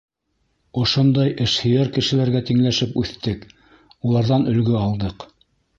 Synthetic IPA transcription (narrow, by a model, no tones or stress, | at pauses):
ŏʃond̪ɑjʔɘ̆ʃhɘ̆jæɾkɘ̆ʃɘ̆læɾɡæt̪iŋlæʃɘpʉθt̪ɘk | ulˠɑɾðɑnɵ̆lɡɵɑlˠd̪ɤq